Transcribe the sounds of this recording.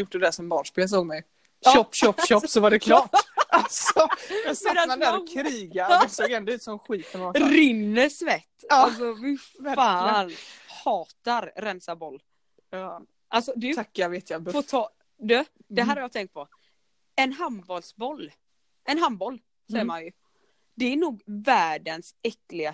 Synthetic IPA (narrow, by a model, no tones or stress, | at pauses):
jʊʈ̚ːd̪ɛd̪æʂɔmbɑːnʂpeːls̬oːɡmɛj | ʃɔpːʃɔpːʃɔːsɔvaɖɛkʰlɑːʈasɔmɛnsmɛnaad̪æːɾɔkʰɾiːɡasoːɡɛnd̪ɔʉ̟ːt̪sɔmɧiːt̪əɔɾɪnːəsvɛt̪ːaalsɔfɪfaːnhɑːt̪aɾɾɛnsabɔlː | ʔalsɔd̪ɛakːjaveːt̪jabfoːt̪ʰɑː | d̪ø̥ | ɛɦæːɾhaɾjɑt̪ɛŋkt̪̚pʰɔ | ɛnɦanbɔlsbɔlː | ɛnɦambɔlː | sɛjːəmanjɵ | d̪ɛæɳuːɡvæːɖənsɛklɪɡa